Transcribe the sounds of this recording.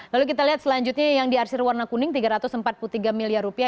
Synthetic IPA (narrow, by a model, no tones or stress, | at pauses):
laluk̬it̪aliɦat̪̚səlaɲd͡ʒut̪̚ɲajaŋdiarsɪrwarnakunɪŋt̪iɡaɾat̪ʊsəmpat̪̚puut̪iɡamiliarupia